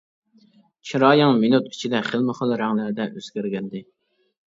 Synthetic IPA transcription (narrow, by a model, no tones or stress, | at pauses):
t͡ʃʰiɾɑːjɪŋminut̪i̥t͡ʃʰid̪ɛχəlmɪχəlˠɾæŋlɪɾɪd̪ɛʔøzɡʲæɾɡʲɛnd̪ɪ